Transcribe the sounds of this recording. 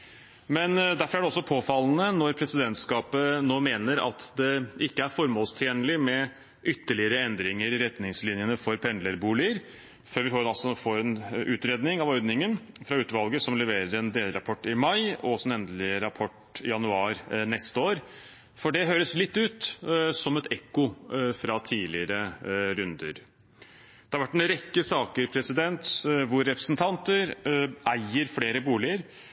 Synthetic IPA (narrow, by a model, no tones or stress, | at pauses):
mɛnd̪æɾfɔɾæɖɛɔsːɔpʰoːfɑlnənɔɾpʰɾɛsɪd̪ɛnt̪skɑːpənoːmeːnəɾɑ̰t̪d̪ɛʔɪkːəæɾfɔɾmoːlst̪ʰjeːnəlɪmɛ | ʔʏt̪ːəɭɪəɾəɛnd̪ɾɪŋəɾɪɾɛt̪nɪŋslɪnjənəfɔɾpʰɛnd̪ləɾbuːlɪəɾ | føːɾʋɪhɑːɾɑlsɔfoɾɛnʉːt̪ɾeːd̪nɪŋɑʋœʏd̪nɪŋənfɾɑʉːt̪ʋɑlɡəsɔmlɛʋeːɾəɾɛnd̪eːlɾɑpʰɔʈːɪmɑɪɔɔsɛnɛnd̪əlɪɾɑpʰɔʈ | ɪjɑnʉɑːɾnɛst̪əoːɾ | fɔɖɛɦøːɾəslɪt̪ːʉːt̪sɔmɛt̪ɛkʊfɾɑt̪ʰiːlɪəɾəɾʉnd̪ə̰ɾ | d̪̥ɛɑɾʋæʈːɛnɾɛkːəsɑːkəɾpʰɾɛsɪd̪ɛnt̪ʋʊɾːɛpɾəsnt̪ʰɑnt̪əɾæɪəɾfleːɾəbuːlɪəɾ